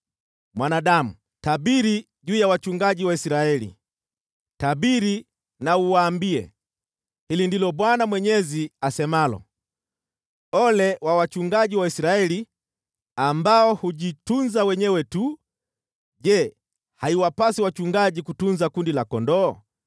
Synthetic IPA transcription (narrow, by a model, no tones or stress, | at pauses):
mwanaɗamu | taɓiɾi | ʄuːjawat͡ʃuŋɡaʄiwaisɾaɛlḭ | taɓiɾi | nauwaːmbiɛ̰ | hilindilɔɓwanamwɛɲɛziasɛmalɔ̰ | ɔlɛwawat͡ʃuŋɡaʄiwaisɾaɛli | ambaɔhuʄitunzawɛɲɛwɛtu | ʄɛ | haiwapasiwat͡ʃuŋɡaʄikutunzakundilakɔndɔː